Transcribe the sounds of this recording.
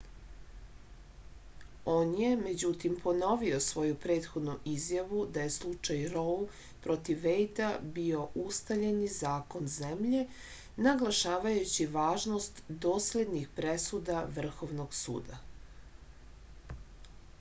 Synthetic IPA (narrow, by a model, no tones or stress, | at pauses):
o̞ːnje̞me̞d͡ʑut̪impʰo̞no̞ʋio̞sʋo̞jupɾe̞ːt̪xo̞d̪nuʔizjaʋud̪aje̞slˠut͡ʃajɾol | pɾo̞t̪iʋːejt̪abio̞ʔust̪aʎenizaːko̞nzemʎe̞ | naɡlˠaʃaːʋajut͡ɕiʋaːʒno̞st̪d̪o̞ːsle̞d̪nixpɾesud̪aʋr̩xo̞ʋnoɡsṵːd̪a